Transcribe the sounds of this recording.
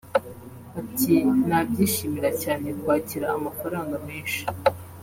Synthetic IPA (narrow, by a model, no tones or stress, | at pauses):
atinaːb̚ɟiːʃiːmiɾacaːne̞kwaːciɾaːmafaɾaːŋɡame̞ːnʃi̥